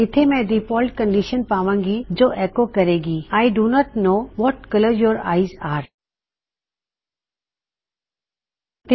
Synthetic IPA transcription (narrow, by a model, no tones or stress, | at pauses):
ɪt̪ʰemɛ̃diːpɔːlʈ̚kə̃ɳɖiːʃənpaːʋãːŋɡid͡ʒoːʔɛkokɐɾeːɡiːaːɪɖunɔːʈnoːʋɔːʈkɐləɾjɔːɾa̰ːɪzaːɾ | t̪ɪ